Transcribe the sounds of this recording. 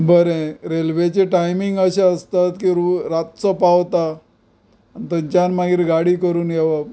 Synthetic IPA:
bəɾẽɾelʋet͡ɕeʈajmiŋɡəɕaəst̪at̪kiɾuɾat̪̚t͡sɔpaʋt̪a | nt̪əɲt͡ɕanmaɡiːɾɡaɽiːkəɾuːnɡeʋa

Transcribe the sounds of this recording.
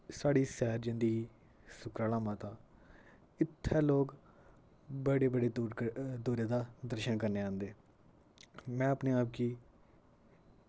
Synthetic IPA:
saːɽiːsɛːɾd͡ʒɪ̃nd̪iiː | sʊkɾaːlãːmãːt̪aː | ɪt̪ʰːɛːloːɡ | bəɽeːbəɽeːɾd̪uːɾeːd̪aːd̪əɾʃənkəɾneːãːnd̪eː | mɛ̃ːəpneːaːp̚ɡiː

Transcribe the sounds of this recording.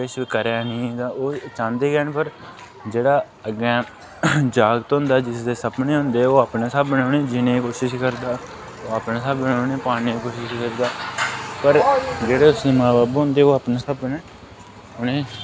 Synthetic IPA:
ɪʃikəɾaːnĩːt̪ãːoːt͡ʃãːnd̪eːkɛːɳpəɾ | d͡ʒeːɽaː | əɡɛ̃ː | d͡ʒaːɡt̪ːɦʊnd̪aːd͡ʒɪsd̪eːsəpnẽːɦʊnd̪eːoːaːpnẽːsabːəɳ̃ãːneːd͡ʒɪnẽːkoːʃɪʃkəɾd̪aː | oːaːpneːsaːbbəɳaːneːpaːñiːikoːʃɪʃʃkəɾd̪aːpəɾd͡ʒeːɽeːʊsd̪eːmaːbaːbɦʊ̃nd̪eːoːaːpnẽːsəbːnẽː | ʊnẽː

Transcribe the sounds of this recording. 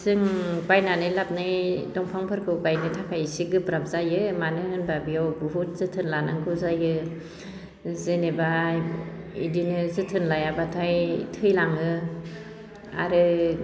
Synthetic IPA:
zɯŋbajnanɯjlap̚nɯjdɔŋpʰaŋpʰɯɾkʰɯwbajnɯtʰakʰajsiɡɯpɾapzajɯmanɯhɯnbabiɔwbɯɦut̚zɯtʰɯnlanaŋɡʰɯzajɯ | zeneba | ḭdinɯzɯtʰɯnlajabatʰajtʰɯjlaŋɯ | a̰ɾɯ

